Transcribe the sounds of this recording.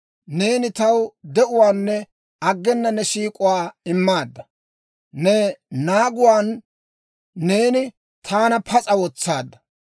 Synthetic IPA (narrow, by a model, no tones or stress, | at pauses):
ne̞ːnɪt̪ɐwd̪ɛʔʊwaːnːɛ | ɐɡːɛnːɐnɛʃiːkʼʊwaːɪmːaːd̪ːɐ | nɛnaːɡʊwaːn | e̞ːnɪ | t̪ʰaːnɐpʰɐt͡sʼɐwɔt͡sːaːd̪ːɐ̥